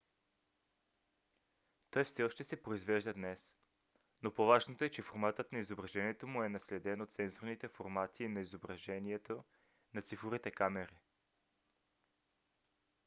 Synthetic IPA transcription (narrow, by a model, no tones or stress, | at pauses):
t̪ɔjfsɛɔʃt̪ɛsɛpɾoizvɛʒd̪ɐd̪nɛs | nopovaʒnot̪oɛt͡ʃɛfoɾmat̪ət̪nɐizobɾɐʒɛniɛt̪omuɛnɐslɛd̪ɛnot̪sɛnzoɾnit̪ɛfoɾmat̪ʰiːnɐizobɾɐʒɛniɛt̪o | nɐt̪sifoɾit̪ɛkamɛɾi